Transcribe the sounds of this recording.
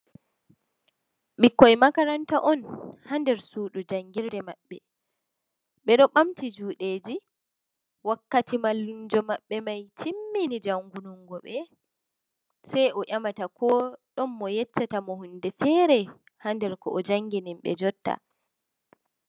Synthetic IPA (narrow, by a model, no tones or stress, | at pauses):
ɓikːɔjmakaɾantaʔɔnhandɛɾsuːɗud͡ʒaŋːɡiɾdɛmaɓːɛ | ɓɛɗɔɓamtid͡ʒuːɗeːd͡ʒi | wakːatimalːund͡ʒɔmaɓːɛmajtʰimːinid͡ʒaŋɡunɔŋɡɔɓɛ | sajʔɔʔʲamatakɔɗɔmːɔjɛt͡ʃːatamɔhundɛfɛɾɛ | handɛɾkɔʔɔd͡ʒaŋɡinimɓɛ̰d͡ʒɔtːa̰